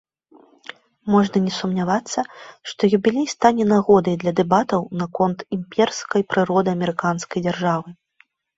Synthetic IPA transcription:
mɔʐnɐnʲɛsumnʲavat̪sːɐʂt̪ɔjubʲilʲejst̪anʲɛnaɣɔd̪ɐjd̪lʲɐd̪ɛbat̪ɐwnakɔnt̪imʲpʲɛrskɐjpɾɨɾɔd̪ɨɐmʲɛɾɨkanskɐjd͡zʲarʐavɨ

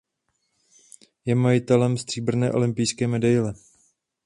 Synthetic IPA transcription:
jɛmajɪt̪ɛlɛmst̪r̥iːbr̩nɛ̰ːʔo̞lɪmpɪjskɛːmɛdajlɛ

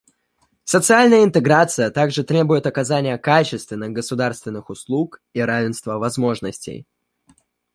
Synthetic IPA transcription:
sət̪sɨalʲnəjəɪnt̪ɨɡɾat̪sɨjət̪aɡʐɨt̪ɾʲe̞bʊjɪt̪ɐkɐzanʲɪjəkat͡ɕɪst̪vʲɪnːɨxɡəsʊd̪arst̪vʲɪnːɨxʊslˠukiɾavʲɪnst̪vəvɐzmo̞ʐnəsʲtʲɪ̰j

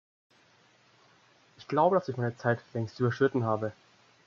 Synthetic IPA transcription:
ʔɪçɡ̥laʊbədasɪçmaɪnət͡saɪtlɛŋstʔyːbɐʃʏtn̩ɦaːbə

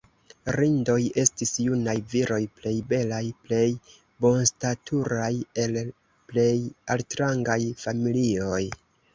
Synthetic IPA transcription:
ɾindo̞je̞stisjunajviɾo̞jple̞jbe̞lajple̞j | bo̞nstatʰuɾaje̞l | ple̞jaltɾaŋɡajfamilio̞j

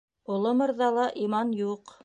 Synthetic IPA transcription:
ŏlˠomɤ̆ɾðɑlˠɑʔimɑnjuq

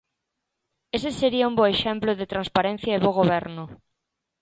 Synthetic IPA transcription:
eseseɾiaũmboeʃemploðet̪ɾanspaɾen̟θjaeβoɣoβɛɾnʊ

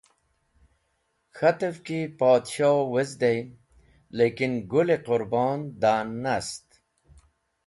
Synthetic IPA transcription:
xat̪əfkipɑːd̪ʃɑːwezd̪ej | lekinɡʊleqʊɾbɑːnd̪anːast̪

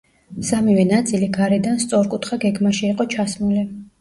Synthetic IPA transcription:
samivɛnat̪sʼiliɡaɾɛd̪anst̪sʼɔɾkʼut̪ʰχaɡɛɡmaʃiːqʼɔt͡ʃʰasmuli

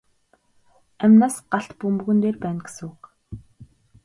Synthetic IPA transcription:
æmʲnaːsɢaɬt̪pumɵɣɵ̆nt̪eːrpæːnɡe̥sɘ̆ŋuk

